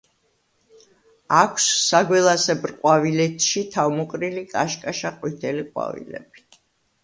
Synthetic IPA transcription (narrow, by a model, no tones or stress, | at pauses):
akʷʰsːaɡwɛlˠasɛbɾqʼwavilɛt̪ʰʃit̪ʰavmɔqʼɾilikʼaʃkʼaʃaqʼwit̪ʰɛliqʼwa̰vḭlɛ̰b̥i̥